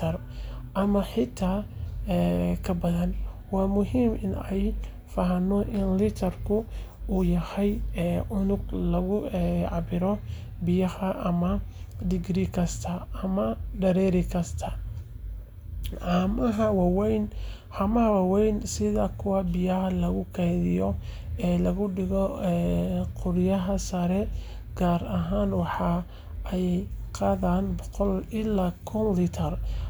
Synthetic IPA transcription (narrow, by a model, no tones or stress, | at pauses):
t̪ʰɐr | ʔɐmɐħɪt̪ʰːaːɛːkʰɐbɐðɐnwaːmʊɦiːmɪnɛj | fɐɦɐnɔʔɪnlɪt̪ʰɐrkʰʊuːjɐhɛjʔʊnʊɡlɐɣʊʕɑbɪɾɔ | bɪjɐhɐʔɐmɐ | d̪ɪɡɾiːkʰɐst̪ʰɐɐmɐɖɐɾɛɾɪkʰɐst̪ʰɐ | ʕamɐɦɐwɑwɛjn | hɐmɐhɐwɑwɛjnsɪðɐkʰʊwɑbɪjɐɦɐlɐɣʊkʰɛjðɪjɔ | ɛːlɐɣʊɖɪɣɔɛqʊɾjɐɦɐsɐɾɛ | ɡ̥aːrɐɦaːnwɑħɑ | ɛjqɑːðaːnbɔqɔlɪlaːkʰʊnlɪt̪ʰɐr